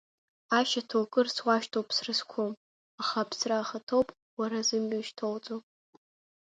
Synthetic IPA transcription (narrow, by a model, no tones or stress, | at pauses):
aʃatʰokʼɨrswaʃtʰowpʼsrɨskʷʰom | aχapʰsraːχatʰowpʼ | waɾazɨmɥaʃtʰolt͡sʼopʼ